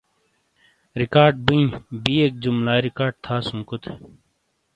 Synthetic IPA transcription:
ɾikaːɾɖ̚biĩbiːeːk̚d͡ʑumlaːɾikaːɾɖ̚t̪ʰaːsũŋkut̪ʰe

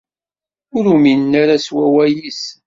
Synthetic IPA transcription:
ʊɾuminːaɾaswæwæjis

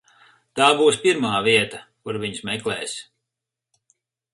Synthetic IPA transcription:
t̪aːbuːspiɾmaːviɛt̪akuɾviɲsmɛklɛːs

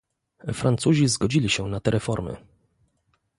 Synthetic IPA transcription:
fɾant̪suʑizɡɔd͡ʑilʲiɕɛnat̪ɛɾʔɛfɔɾmɘ̰

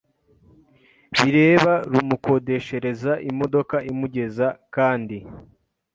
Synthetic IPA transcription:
βiɾe̞ːβaɾumuko̞de̞ʃe̞ɾe̞zaʔimo̞do̞kaimuɟe̞zakaːndi

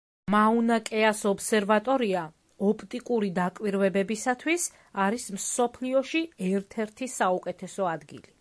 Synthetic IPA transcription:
maunakʼɛasɔbsɛɾvat̪ʼɔɾia | ɔpʰʼt̪ʼikʼuɾid̪akʼwiɾvɛbɛbisat̪ʰwis | aɾismsɔpʰliɔʃiɛɾt̪ʰɛɾt̪ʰisaukʼɛt̪ʰɛsɔad̪ɡḭli

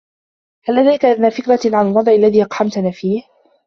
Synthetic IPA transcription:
halʔad̪ajkaʔaðnaːfɪkɾaʕanalwɑd̪ˤʕɪʔalːaðiːʔɑqħamt̪anaːfiːh

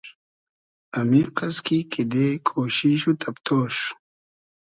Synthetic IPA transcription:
ɐmiqɐskikid̪ekʰoːɕiɕut̪ʰɐpt̪ʰoːʂ

